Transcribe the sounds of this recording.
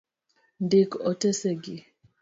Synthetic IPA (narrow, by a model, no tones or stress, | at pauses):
ndikɔtɛsɛɡi